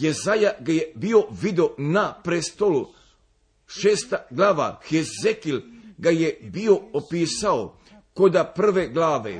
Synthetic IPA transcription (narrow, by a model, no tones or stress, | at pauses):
jezajaɡajebio̞ʋid̪eonapɾest̪olu | ʃeːst̪aɡlˠaːʋa̰xezekilɡajebioopiːsao | kod̪apr̩ʋeɡlaːʋḛ